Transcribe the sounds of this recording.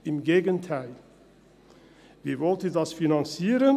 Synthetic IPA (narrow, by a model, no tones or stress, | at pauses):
ɪmɡeːɡəntʰæɪl | viːvɔltəndɑsfinɑnt͡siːɾən